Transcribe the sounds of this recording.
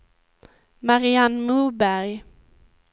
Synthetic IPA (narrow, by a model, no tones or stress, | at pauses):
maɾianmɵbæɾj